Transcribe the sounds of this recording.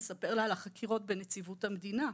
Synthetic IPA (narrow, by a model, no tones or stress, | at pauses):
sape̞ʁlaːlaχakʰiʁo̞t̚benet͡sivuthamed̪ina